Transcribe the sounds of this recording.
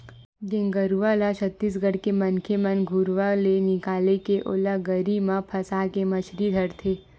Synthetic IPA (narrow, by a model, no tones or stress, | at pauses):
d͡ʒɪ̃ŋɡəɾuʋalat͡ʃʰət̪ːiːs̬ɡəɽ̤kemɐnkʰemɐnɡʱuɾʋalenɪkaːlekeʔʊ̰laɡəɾimãpʰɐsaːkemɐʃɾid̪ʱɐɾt̪ʰeː